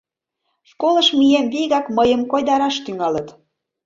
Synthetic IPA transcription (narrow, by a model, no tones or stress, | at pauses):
ʃkoləʃmijenβiɣɑkməjəmkojd̪ɑɾɑʃt̪yŋɑlət̪